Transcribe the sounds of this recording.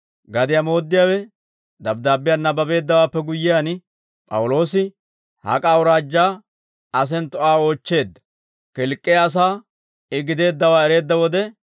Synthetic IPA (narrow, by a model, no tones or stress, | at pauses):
ɡɐd̪ɪjamo̞ːd̪ːɪjaːwɛ | d̪ɐbd̪aːbːɪjanːɐbɐbe̞ːd̪ːɐwaːpːɛɡʊjːɪjan | pʼɐ̰wʊlo̞ːsɪ | hɐ̰kʼaːwʊɾaːd͡ʒːaː | ɐs̬ɛnt̪ɔʔaːo̞ːt͡ʃːe̞ːd̪ːɐ̥ | kɪlkʼːɛjaːs̬aː | ɪɡɪd̪e̞ːd̪ːɐwaːɛɾe̞ːd̪ːɐwɔd̪ɛ